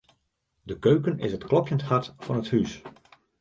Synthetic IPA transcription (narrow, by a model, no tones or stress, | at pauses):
dəkøɥkənɪ̰sətklˠɔpjənthɑtfɑnəthys